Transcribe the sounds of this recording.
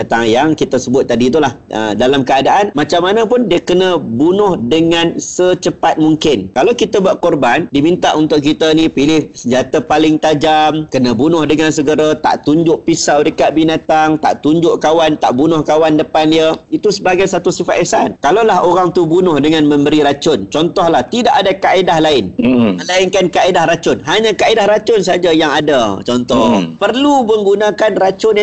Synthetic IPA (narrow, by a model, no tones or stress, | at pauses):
ət̪aŋjaŋkit̪asəbʊt̪̚ːadit̪̬ulahə̰dalamkəadaʔanmãt͡ʃamːanəpʊndiəkənə̃bunʊhdəŋãnsət͡ʃəpat̪̚muŋkɪnkalawkit̪abuaʔkɔrbandimint̪aʔunt̪ʊʔkit̪ənipilɪhsəɲd͡ʒat̪apalɪŋt̪ad͡ʒamkənə̃bunʊhdəŋansəɡəɾat̪a̰ʔt̪uɲd͡ʒʊʔpisawdəkaʔbinat̪aŋt̪a̰ʔt̪uɲd͡ʒʊʔkawant̪a̰ʔbunʊhkawandəpanliəit̪usəbaɡajsat̪usifat̪ʔ̪ɛsankalalaɦoɾaŋt̪ubunʊhdəŋãnmə̃mbəɾiɾat͡ʃʊnt͡ʃɔnt̪ɔhlaht̪idaʔadakaʔedahlaɪnəlainkankaedahɾat͡ʃʊnɦaɲãkaedahɾat͡ʃʊnsad͡ʒajaŋadat͡ʃɔnt̪ɔpərluməŋɡunãkanrat͡ʃʊna